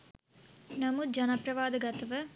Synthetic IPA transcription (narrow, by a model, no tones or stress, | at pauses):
nɐmud͡ʒɐnɐpɾɐʋaːd̪ɐɡɐt̪ɐʋɐ